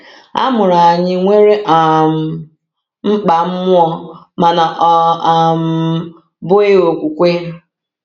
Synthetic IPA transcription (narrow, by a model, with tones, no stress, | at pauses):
a̰˦mʊ˨ɾa˨a˨ɲɪ˦ŋʷe˦ɾe˦ʔa˨m˨ | m̩˦k͡pa˨m̩˦mʊ˦ɔ˦ | ma˨na˨ʔɔ˦˨m̩˦ | bʊ˦ɪ˦o˨kʷu˨kʷe˦